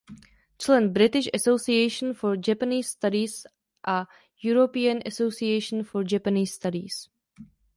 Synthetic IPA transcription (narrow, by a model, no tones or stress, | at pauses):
t͡ʃlɛnbɾɪt̪ɪʃasowsiejʃə̃nfoɹd͡ʒɛpəniːsst̪aɾis | ʔa | juɾopiənasosiejʃənfoɹd͡ʒɛpəniːsːt̪adḭs